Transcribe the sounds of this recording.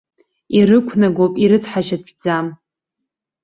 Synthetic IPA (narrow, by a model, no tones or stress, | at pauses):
iɾɨkʷʰnaɡʷopʼiɾɨt͡sʰħaʒat̚ʼbd͡zam